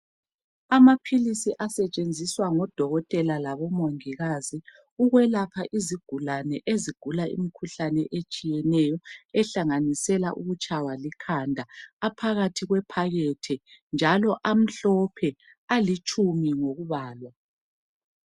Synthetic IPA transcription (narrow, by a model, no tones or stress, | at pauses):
amapʰilisiʔasɛt͡ʃʼend͡zʱiswaŋɔd̥ʱɔɣɔtʼɛlalaβɔmoŋiɣazi | uɣwɛlapʰaʔiziɡ̥ʱulanɛʔeziɡ̥ʱulaḭmikʰuɬanɛʔet͡ʃʼijɛnɛjɔɛɬaŋanisɛla̰ʔuɣut͡ʃʼawalikʰandʱaapʰaɣatʰiɣwɛpʰaɣɛtʰɛnd͡ʒʱalɔʔam̩ɬɔpʰɛ | alit͡ʃʼumiŋoɣuβaːlwa